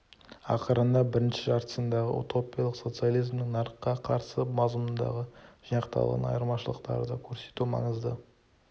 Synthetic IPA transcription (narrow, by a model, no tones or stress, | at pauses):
ɑqʰəɾənd̪ɑbɪɾɪnʃɪʒɑɾt̪ə̥sənd̪ɑʁəṵt̪o̞pʲijɑlˠəqso̞t̪sɨjalˠijzmnɪŋnɑɾəqːɑqʰɑɾsəmɑzəmənd̪ɑ̰ʁəʒ̥əj̪ɑqt̪ɑ̰lˠʁɑ̰nɑ̰jəɾmɑʃəlˠəqt̪ɑ̰ɾəd̪ɑkʲʰɵɾse̞̥t̪umɑ̰ɴəzd̪ə